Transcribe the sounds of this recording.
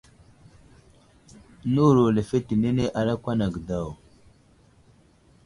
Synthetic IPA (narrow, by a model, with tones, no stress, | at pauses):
nu˦˨ɾo˨le˨fe˦ti˨ne˦ne˦ʔa˨ɾa˦kʷa˦na˨ɡda˦˨w